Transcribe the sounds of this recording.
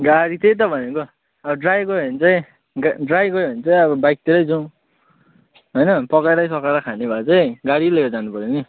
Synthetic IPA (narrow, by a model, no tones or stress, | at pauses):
ɡaɽit̪ejt̪ʌbʱʌneko | ʌbʌɖrajɡʌɦʌnt͡saĩ | ɡaɖrajɡʌoʌnt͡saj̃ʌβʌbajk̚t̪eɾʌjd͡zʌ̃ | ɦʌjnʌpʌkaɾʌjsʌkaɾʌkʰanebʱat͡saĩɡaɽileɾʌd͡zanupʌɾeni